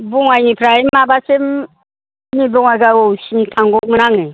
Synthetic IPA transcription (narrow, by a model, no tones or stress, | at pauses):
buŋajnipʰɾaimabasem | nibɔŋajɡaɔwsimtʰaŋɡɔk̚mɯnaŋɯ